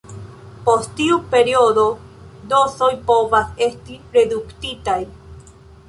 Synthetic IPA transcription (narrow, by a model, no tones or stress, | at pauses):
post̪iupe̞ɾiod̪o̞ | d̪osojpovase̞st̪iɾe̞d̪ukt̪it̪aj